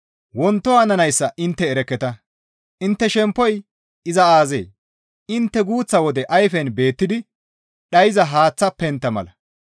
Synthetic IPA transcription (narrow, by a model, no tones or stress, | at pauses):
wɔnt̪ːɔaːnɐnɐjsːɐʔɪnt̪ːɛːɾɛkːɛt̪ɐ | ʔɪnt̪ːɛʃɛmpːɔj | ɪzɐaːzḛː | ɪnt̪ːɛɡuːt͡sːɐwɔd̪ɛʔɐjfɛnbe̞ːt̪ːɪd̪ɪ | ɗɐjɪzɐɦaːt͡sːɐpːɛnt̪ːɐmɐ̰lɐ